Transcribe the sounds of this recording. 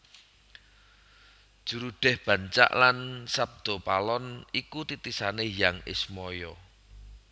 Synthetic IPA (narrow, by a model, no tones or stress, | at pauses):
ʒ̥uɾuɖ̥ɛ̤hb̥ä̤ɲt͡ʃa̰ʔlansab̚d̪̥ɔ̤palɔnikut̪it̪isanejaŋɪ̰smɔjɔ